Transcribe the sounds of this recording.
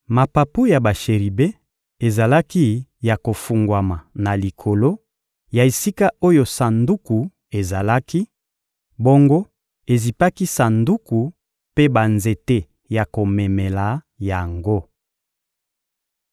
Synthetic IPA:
ma˨pa˨pu˦ja˨ba˨ʃe˨ʁi˨be˦ | e˨za˨la˦ki˦ja˨ko˨fu˨ŋɡwa˨ma˨na˨li˨kʰo˨lo˦ | ja˨e˨si˦ka˦o˦jo˨sa˨ndu˦ku˨ | e˨za˨la˦ki˦ | bo˦ŋɡo˦ | e˨zi˨pa˦ki˦sa˨ndu˦ku˨ | pe˦ba˨nze˨te˦ | ja˨ko˨me˨me˨la˨˦ | ja˨ŋɡo˦

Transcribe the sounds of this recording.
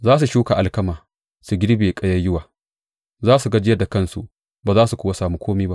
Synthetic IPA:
zaː˦s̬u˨ʃuː˦ka˨ʔa˨lkɐ˦maː˨ | su˨ɡʲɪ˦ɾbeː˨kʼɐ˦jɐ˦jʊ˦waː˨ | zaː˦su˨ɡɐ˦d͡ʒɪ˦jɐ˦da˨kɐ˦nsṵ˨ʔ | baː˨zaː˦su˨kʷʊː˦wa˦saː˨mu˦kʷʰoː˦miː˦ba˦ʔ

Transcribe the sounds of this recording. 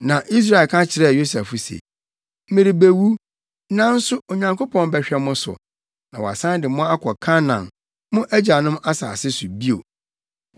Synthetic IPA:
nã˨ʔi˦s̬ɾa˦˨e˨lkʰã˦t͡ɕʰɪ˨ɾɛ˦˨jo˦sa˨fʊ˨sḛ˨ | m̩˦mɪ̃˨ɾi˨be˨wu˦ | nã˦n̩˦sʊ˦o˨ɲã˨ŋkʰo˦pʰɔ̃˨n˦bɛ˨ɕᶣɛ˦mʊ̃˦sʊ̰˨ | nã˨wɔ˨a̰˨sã˦n˦dɪ˨mʊ̃˦a˦kʰɔ˨kʰã˦nã̰˨n | mʊ̃˦ʔæ˦d͡ʑa˨nʊ̃˦ma˦sa̰ː˨sɪ˦sʊ˨bi˦o̰˨

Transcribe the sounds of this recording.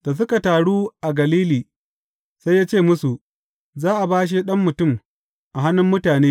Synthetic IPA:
d̥a˨s̬ʊ˦ka˨taː˨ɽuː˦ʔa˨ɡɐ˨liː˦liː˨ | sa˦jaː˦t͡ʃeː˦˨mʊ˦su˨ | zaː˦ʔa˨baː˦ʃ̬i˦ɗɐ˦mːʊ˨tʊ˦˨m | ʔa˨ɦa˦nʊ˦mːʊ˦taː˨neː˦

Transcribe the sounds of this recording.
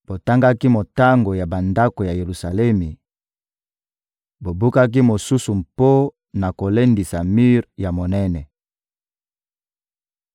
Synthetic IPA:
b̥o˨ta˦ŋɡa˦ki˦mo˨ta˦ŋɡo˨ja˨ba˨nda˦ko˨ja˨je˨ʁu˨sa˨lɛ˦mi˨ | bo˨bu˦ka˦k̬i˦mo˨su˦su˨mpo˦ | na˨ko˨le˦ndi˨sa˨mi˦ʁja˨mo˨nɛ˦nɛ˨

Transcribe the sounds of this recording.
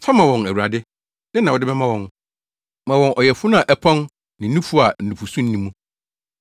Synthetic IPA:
fa˦mã˨wɔ̃˨næ˨wu˨ɾa˨dɪ˦ | d̥ɪ˦nã˨wɔ˨dɪ˦bɛ˦mã˦wɔ̃˨n | mã˨wɔ̃˨nʔɔ˨jɛ˨fʊ˦nã˨ʔɛ˨pʰɔ̃˦n | nɪ̃˨˦nũ˦fʊ˦a˨n̩˨nũ˨pu˨sũ˦n̩˦nĩ˦mũ˦

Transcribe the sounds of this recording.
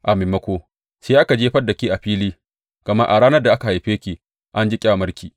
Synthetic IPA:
ʔa˨meː˨mɐ˦kʷoː˦ | seː˦ʔa˦ka˨d͡ʒeː˦ɸɐ˦dːɐ˨kʲiː˦ʔa˨ɸiː˦liː˦ | kɐ˨mɐ˦ʔa˨ɽaː˦nɐ˦rda˨ʔa˦ka˨a˨jɸeː˦kʲiː˨ | ʔa˦nd͡ʒi˦kʲʼa˦a˨mɐ˦ɾkʲiː˨

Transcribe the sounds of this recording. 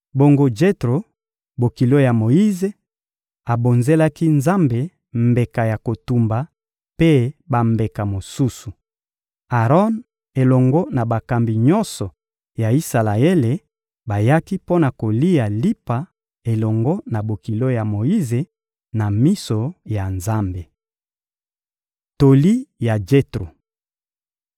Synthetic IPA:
bo˨ŋɡo˦d͡ʒe˦tʁo˨ | bo˨ki˨lo˦ja˨mo˨ji˦ze˨ | a˨bo˨nze˦la˦ki˦nza˦mbe˨ | mbe˨ka˨ja˨ko˨tu˨mba˨ | pe˦ba˨mbe˨ka˨mo˨su˦su˨ | a˨ʁɔ˦n | e˨lɔ˨ŋɡɔ˦na˨ba˨ka˨mbi˨ɲɔ˦nsɔ˨ | ja˨i˦sa˨la˨e˦le˨ | ba˨ja˦ki˦po˦na˨ko˨li˦ja˨li˦pa˨ | e˨lɔ˨ŋɡɔ˦na˨bo˨ki˨lo˦ja˨mo˨ji˦ze˨ | na˨mi˦so˨ja˨nza˦mbe˨ | to˨li˦ja˨d͡ʒe˦tʁo˨

